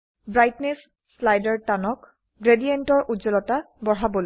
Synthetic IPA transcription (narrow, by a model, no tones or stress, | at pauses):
bɹajtnesː | lajdɛɹtanɔk | ɡɹedijentɔɹʔuzɔlɔta | bɔɹ̤abɔl